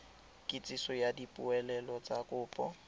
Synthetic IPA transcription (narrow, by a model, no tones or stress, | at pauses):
kʼɪt͡sʼisɔjadipʼʊɛlɛlɔt͡sʼakʼʊːpʼɔ